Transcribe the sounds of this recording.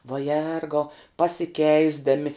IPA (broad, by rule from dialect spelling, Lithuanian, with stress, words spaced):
ʋɐ ˈjɛrɡɐʊ pɐsʲɪˈkʲɛɪzdɐmʲɪ